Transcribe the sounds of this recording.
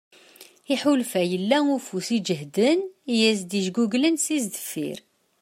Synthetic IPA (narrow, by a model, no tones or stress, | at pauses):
iħulfæjəlːæufusid͡ʒəɦd̪ənjæs̬d̪iʒɡuɡlənsizd̪ə̥fːḭɾ